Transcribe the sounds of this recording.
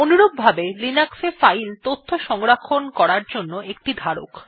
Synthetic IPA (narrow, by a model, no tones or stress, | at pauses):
onuɾob̚bʱabelinaksefailt̪ot̪ʰːoʃɔŋɾakʰːonkɔɾaɾd͡ʑonːoek̚ʈid̪ʱaɾo̰k